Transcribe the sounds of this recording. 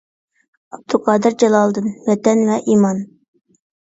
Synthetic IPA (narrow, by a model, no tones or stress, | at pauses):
ɑb̚d̪ʰuqʰɑːd̪ɨɾd͡ʒɛlˠɑlˠd̪ɨnwɛt̪ɛnvɛʔiːmɑn